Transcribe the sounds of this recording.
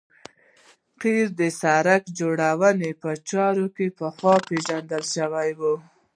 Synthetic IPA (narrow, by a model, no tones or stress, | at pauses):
qiɾd̪əsaɾakd͡ʒoɽawənepət͡ʃɑɾokepəxwɑpeʒand̪əlʃəwajwu